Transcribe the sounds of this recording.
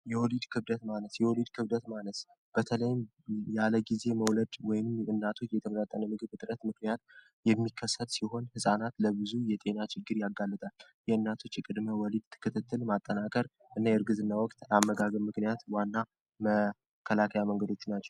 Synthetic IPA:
jɛwɔlid̪kʰɨbd̪ət̪maləsjɛwɔlid̪kʰɨβd̪ət̪maləs | b̥ət̪ʰələjɪm | jaləɡize̞məwləd̪wɔjɪmɨnːat̪ʰo̞t͡ʃːjɛt̪ʰəməɾat̪ʼːənəmɨɡɨβt̪ʼɨɾət̪mɨknijat̪̚ | jɛmːikʰːəsːət̪siɦo̞nhɨsʼanat̪ləβɨzujɛt̪ʼe̞nat͡ʃʰɪɡːɨɾjaɡːalːɨt̪ʼaljɛɨnːat̪ʰo̞t͡ʃːjɛkʼɨd̪məwɔlid̪̚t̪ʰːɨ̥kːɨt̪ʰɨt̪ʰːɨlmat̪ʼːənakʼəɾ | ʔɨnːajɛɾɡɨzɨnːawɔkʼt̪amːəɡaɡəmɨknijat̪wanːa | mə | kʰːəlakʰajaməŋɡəd̪o̞t͡ʃːnat͡ʃːɛ̥w

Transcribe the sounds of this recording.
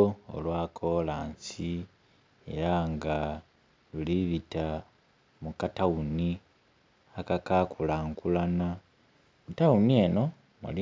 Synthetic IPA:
o̰lwaːkʰo̞laːnsi | ḛɾaŋɡa | luliβita | mukatauni | akakakʰulaŋkulana | mutawunie̞no̞ | mṵli

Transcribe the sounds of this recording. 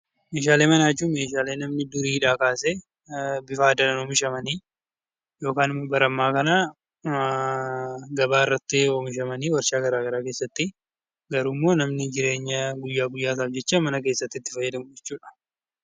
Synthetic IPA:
me̞ːʃaːleːmɐnaːt͡ʃːuːme̞ːʃaːle̞ːnɐmnɪd̪ʊɾiːɪᶑaːkaːse | bɪfaːd̪ɐnɐnoːmɪʃɐmɐniː | jo̞ːkaːnɪmːoːbɐɾɐmːaːkɐna | ɡɐbaːɪrːɐt̪ːɪoːmɪʃ̬ɐmɐniːwɐɾʃaːɡɐɾaːɡɐɾaːke̞ːsːɐt̪ːɪ | ɡɐɾuːmːo̞ːnɐmnɪd͡ʒɪɾe̞ːɲːɐɡʊjːaːɡʊjːaːt̪̬aːfd͡ʒɛt͡ʃːamɐnɐk̬e̞ːsːɐt̪ːɪt̪ːɪ̥fɐjːɐd̪ɐmʊd͡ʒɛt͡ʃːuːᶑɐ̥

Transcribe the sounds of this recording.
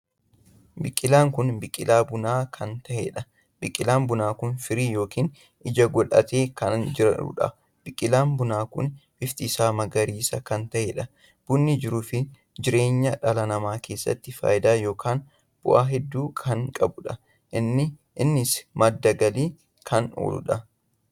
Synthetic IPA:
bɪkʼːɪlaːŋkʊnbɪkʼːɪlaːbʊnaːkʰɐnt̪ɐʔḛːᶑɐ | bɪkʼːɪlaːnbʊnaːkʊnfɪɾiːjo̞ːkiːn | ɪd͡ʒɐɡɔᶑɐ̰t̪e̞ːkɐnd͡ʒɪɾɐ̰ʊ̰ᶑɐ̰ | b̥ɪkʼːɪlaːnbʊnaːkʊ̰nb̥ɪft̪ʼisaːmɐɡɐɾiːsɐkɐnt̪ɐʔeːᶑɐ | b̥ʊnːɪd͡ʒɪɾʊːfɪ | d͡ʒɪɾe̞ːɲːɐᶑɐlɐnɐmaːke̞ːsːɐ̰t̪ːɪfa̰ːjɪd̪aːjo̞ːkaːn | b̥ʊ̰ʔaːɦɛd̪ːuːkʰɐŋkʼɐbʊᶑɐ | ʔɪnːɪʔɪnːɪsmɐd̪ːɐɡɐliː | kʰɐno̰ːlʊ̰ᶑɐ

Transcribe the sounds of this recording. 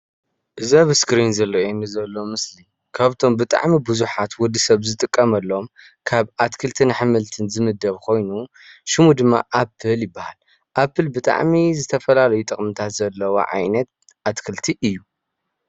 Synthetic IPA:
ʔɨzaβɨskɾinzɐlːɐenːɨzɐlːo̞mɨsli | kʰaβt̪ʰo̞mbɨt̪ʼa̰ʕmibɨzuħat̪wʊd̪ːisɐβzɨt̪ʼɨkʼːɐmɐlːo̞m | kʰaβʔat̪kʰɨlt̪ʰinɨħɨmɨlt̪ʰɨnzɨmɨd̪ːɐβkʰo̞jnu | ʃɪmud̪ɨmːa̰ʔapʰːɨljɪbːahal | ʔapʰːɨlbɨt̪ʼa̰ʕmizɨt̪ʰɐfɐlalɐjut̪ʼɨχʼmɨt̪ʰat̪zɐlːɐwo̰ʕa̰jnɐt̪̚ | ʔat̪kʰɨlt̪ʰiʔɨjːu

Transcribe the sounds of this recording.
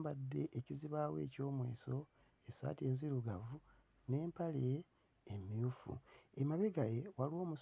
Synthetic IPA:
mbadːe̞ʔːciziβaːwe̞̰ːco̞ːmwḛːso̞ | esa̰ːtie̞ːnziɾuɡavu | ne̞ːmpaleː | miufṵemaβeɡajewalo̞ːmus

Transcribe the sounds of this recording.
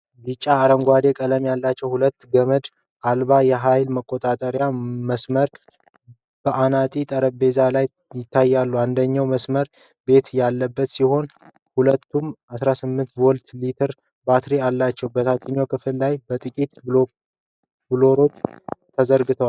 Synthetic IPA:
bit͡ʃʼːaːɾəŋɡʷwad̪e̞kʼələmjalːat͡ʃːɛwhulət̪ːɡəməd̪ | ʔalbajɛɦajlməkʼːo̞t̪ʼat̪ʼəɾjaməsməɾ | b̥əʔanat̪ʼit̪ʼəɾəbe̞zalaj | jɪt̪ːajːalːuand̪əɲːawməsməɾ | be̞t̪jalːəbːət̪siho̞n | hulət̪ːumʔasɾasɨmːɨnt̪wɔlt̪lit̪ʰəɾ | bat̪ʰɾialːat͡ʃːɛwbət̪ʰat̪ʰinokʰɨfɨllajbət̪ʼɨkʼit̪ | b̥ɨlo̞ɾo̞t͡ʃːt̪ʰəzəɾɡɨt̪ʰəwal

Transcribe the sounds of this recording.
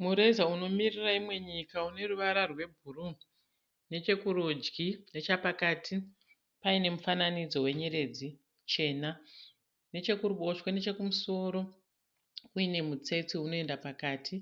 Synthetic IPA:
muɾe̞zauno̞miriraimwe̞ɲikaune̞ruʋaɾarwe̞bʱuru | ne̞t͡ʃe̞kurod͡ʒɡine̞t͡ʃapakaːtʰi | paine̞mufananid͡zo̞we̞ɲeɾe̞d͡zi | t͡ʃe̞ːna | ne̞t͡ʃe̞kuruɓo̞ʃwane̞t͡ʃe̞kumuso̞ɾo̞ | kuine̞mut͡se̞t͡siuno̞e̞ndapakaːtʰi

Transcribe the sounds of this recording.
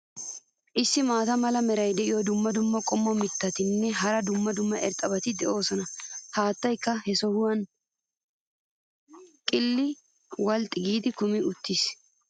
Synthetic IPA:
ʔɪsːɪmaːt̪ɐmɐlɐmɛɾɐjd̪ɛʔɪjɔd̪ʊmːɐd̪ʊmːɐkʼɔmːɔmɪt̪ːɐt̪ɪnːɛɦɐɾɐd̪ʊmːɐd̪ʊmːɐʔɛɾt̪ʼɐbɐt̪ɪd̪ɛʔo̞ːsɔnɐhaːt̪ːɐjkːɐhɛsɔhʊwɐn | kʼɪlːɪ | wɐlt̪ʼːɪɡiːd̪ɪkʊmɪʊt̪ːis

